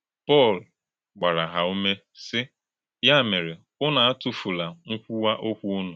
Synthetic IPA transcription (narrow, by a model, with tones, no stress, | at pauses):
pɔ˦˨l | ɡ͡ba˨ɾa˨ɦa˨u˦me˦ | sɪ˦ | ja˦˨me˨ɾe˨ | ʊ˦na˨a˦tʊ˨fu˨la˨ŋ̩˦kʷu˦wa˦ʔo˦kʷu˦ʊ˦nʊ˨